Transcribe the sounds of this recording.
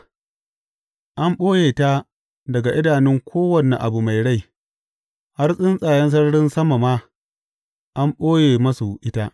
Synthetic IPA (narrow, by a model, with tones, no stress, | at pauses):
ʔa˦mɓoː˦jeː˨ta˦ | dɐ˨ɡa˨ʔɪ˦daː˨nɪ˦ŋkʷʰoː˦wɐ˦˨ne˨ʔa˨bu˨ma˨jɽa˦j | ha˦rsʼɪ˦nsʼaː˨jɛ˦ns̬ɐ˦rɽɪ˦nsɐ˦ma˨ma˦ | ʔa˦mɓoː˦jeː˨mɐ˦su˨ʔɪ˦ta˦ʔ